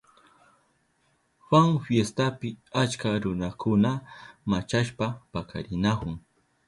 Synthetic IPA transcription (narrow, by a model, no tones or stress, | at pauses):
xwaŋfjest̪apɪat͡ʃkaɾʊnakʊnamat͡ʃaʃpapakʰa̰ɾɪnakʊŋ